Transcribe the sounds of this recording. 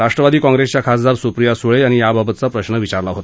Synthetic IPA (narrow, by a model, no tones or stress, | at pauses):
ɾaʂʈɾəʋad̪iːkɔ̃ŋɡɾest͡ɕjakʰasd̪aɾsupɾijasuɭeañijababət̪̚t͡sapɾəɕɳəʋit͡ɕaɾlaɦot̪a